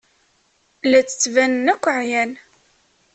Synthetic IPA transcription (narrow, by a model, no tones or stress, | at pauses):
læt͡sːə̥t͡sːvænənækʷːəʕjæn